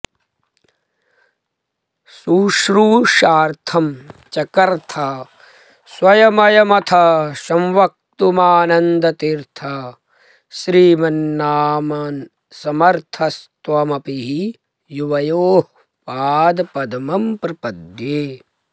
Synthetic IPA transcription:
suːʃɾuːʃaːɾt̪ʰɐmt͡ʃɐkɐɾt̪ʰɐ | swɐjɐmɐjɐmɐt̪ʰɐʃɐmʋɐk̚t̪umaːnɐnd̪ɐt̪iɾt̪ʰɐ | ʃɾiːmɐnːaːmɐn | sɐmɐɾt̪ʰɐst̪ʋɐmɐpiɦi | juʋɐjoːɦ | paːd̪pɐd̪ɐmɐmpɾɐpɐd̪jeː

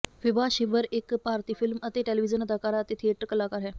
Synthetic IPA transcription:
ʋibaɕibəɾekpaɾt̪iːfilmət̪eʈeliʋid͡ʑənəd̪ʱakaɾat̪et̪ʰeʈːkəlakaɾɦɛ

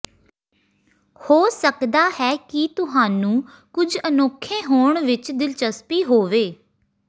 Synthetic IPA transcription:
hoːsəkd̪aːhɛːkit̪ʊɦaːnũː | kʊd͡ʒənoːkʰːẽːɦoːɳʋɪt͡ʃd̪ɪlt͡ʃəspiːɦoːʋeː

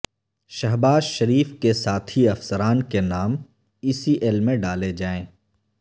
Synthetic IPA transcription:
ʃɐɦbaːzʃɐɾiːfkesaːt̪ʰiɐfsəɾaːnkenaːm | iːsiʔelmẽɖaːled͡ʒaːẽː

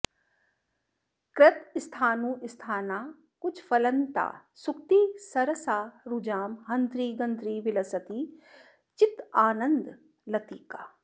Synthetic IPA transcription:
kɾɐt̪ɪst̪ʰaːnũːɪst̪ʰaːnaː | kʊt͡ʃʰfɐlɐ̃nt̪a̰ːsʊk̚t̪iːsɐɾəsaːɾud͡ʒaːmɦɐ̃nt̪ɾiːɡənd̪ɾiːʋɪlɐsət̪iː | t͡ʃɪt̪aːnə̃nd̪ | lɐt̪iːkaː

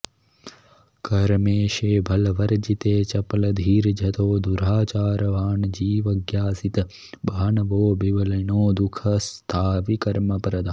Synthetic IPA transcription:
kɐɾmeːʃeːbʱɐlʋɐɾd͡ʒit̪eːt͡ʃɐplɐd̪ʱiːɾd͡ʒʱɐt̪ʰoːd̪uɾaːt͡ʃaːɾʋaːɳd͡ʒiːʋɐɡjaːsit̪ | baːɳʋoːbiʋɐlɐnoːd̪ʊkʰɐst̪ʰaːʋikɐɾmɐpɐɾɐd̪a

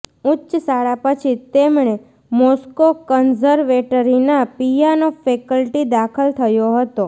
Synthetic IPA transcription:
utːʃsaɭapət͡ʃʰit̪emɳe | mɔskokənzəɾʋeʈəɾinapijanofekəlʈid̪akʰəlt̪ʰəjoɦət̪o

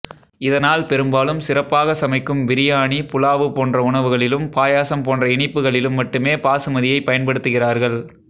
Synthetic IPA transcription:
ɪðɐnaːlpɛɾɯmbaːlɯmsɪrɐpːaːɣɐsɐmɐɪkːɯmʋɪɾɪjaːɳipʊlaːʋɯpoːndrɐʊɳɐʋɯɣɐɭɪlɯmpaːjaːsɐmpoːndrɐɪɳɪpːɯɣɐɭɪlɯmːɐʈːɯmeːpaːsɯmɐðɪjɐɪpːɐjɐnpɐɽɯt̪ːɯɣɪraːɾɣɐɭ

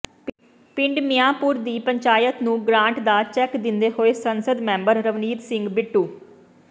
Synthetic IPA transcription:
pɪ̃ɳɖmɪjãːpuːɾd̪iːpəɲt͡ʃaːjət̪nũːɡɾãːɳʈd̪aːt͡ʃɛːkd̪ɪnd̪eːɦoːeːsənsəd̪mɛ̃ːmbəɾːəʋniːt̪sɪŋɡbɪʈːuː

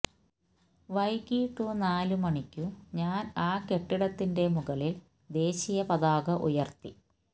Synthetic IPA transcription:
ʋɐjkiːʈːunaːlumɐɳikʲːuɲaːnaːke̞ʈːiɽɐt̪ːinde̞muɣɐlil | d̪e̞ːɕijɐpɐðaːɣɐʔṵjɐrt̪ːi

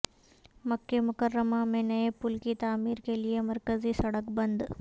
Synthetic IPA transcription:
mɐkːemʊkɐɾɾɐmaːmenɐjepulkit̪aːmiːɾkelijemɐɾkɐzisɐɽɐkbɐnd̪

